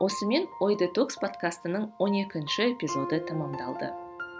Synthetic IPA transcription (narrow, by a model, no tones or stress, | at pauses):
wʔo̞səme̞nwo̞jd̪et̪okspʰo̞t̪kast̪ənəɴwo̞ne̞kʲɪnʃɪe̞pʲizo̞d̪ət̪ʰəməmd̪ɑ̰lˠd̪ə̰